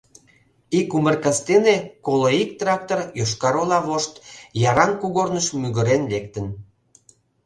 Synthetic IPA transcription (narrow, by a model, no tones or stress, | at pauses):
ikumərkɑst̪enekoloik̚t̪rɑk̚t̪orjoʃkɑɾolɑβoʃt̪jɑɾɑnkuɣornəʃmyɣə̆ɾenlekt̪ən